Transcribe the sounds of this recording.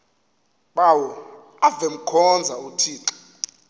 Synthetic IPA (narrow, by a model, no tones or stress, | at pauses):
ɓawɔ | avɛm̩kʰɔnd͡zʱautʰiːǁɔ̥